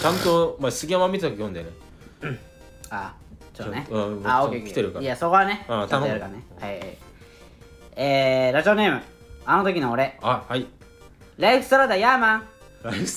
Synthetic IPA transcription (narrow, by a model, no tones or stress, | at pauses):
t͡ɕãnt̪omasɨɡʲiãmãmʲit̪at̪okʲejõnd̪ene | a | t͡ɕot̪ːnẽaoeokiet̪eɾɯkaiasoko̞βaneat̪aaɾɯkanehaja̰j | eːɾaʑione̞ːmɯ̟ | anot̪o̞k̬ʲinoːɾe̞ahai | ɾaiɸɯ̥st̪oɾad̪ajamã | ɾa